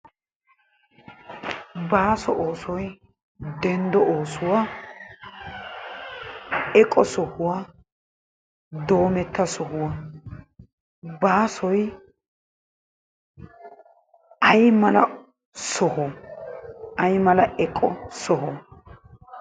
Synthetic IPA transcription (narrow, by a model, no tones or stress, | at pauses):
baːsɔʔoːsɔj | d̪ɛnd̪ɔʔoːsʊwa | ɛkʼːɔsɔhʊwa | d̪o̞ːmɛt̪ːɐsɔɦʊwa | baːsɔj | ɐjmɐlɐ | sɔhɔ | ɐjmɐlɐɛkʼːɔsɔɦɔ